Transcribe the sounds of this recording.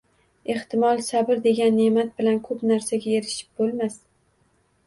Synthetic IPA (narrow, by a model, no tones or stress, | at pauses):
e̞ht̪ɪmɒlˠsabɪɾd̪e̞ɡʲanːe̞mat̪̚bɪlankʰɵpnaɾsaɡʲaje̞ɾɪʃɪ̥p̚bolˠmas